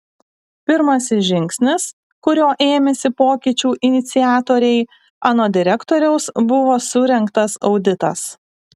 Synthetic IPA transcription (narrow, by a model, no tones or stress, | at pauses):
pʲɪɾmɐsʲɪsʒʲɪŋʲksʲnʲɪs | kʊɾʲoːʔeːmʲɛsʲɪpoːkʲɪt͡ʃʲuːʔɪnʲɪt̪sʲɪjæːt̪oːɾʲɛɪ | ɑːnoːd̪ʲɪɾʲɛkt̪oːɾʲɛʊsbʊʋoːsʊɾʲɛŋkt̪ɐsɒʊd̪ʲɪt̪ɐ̰s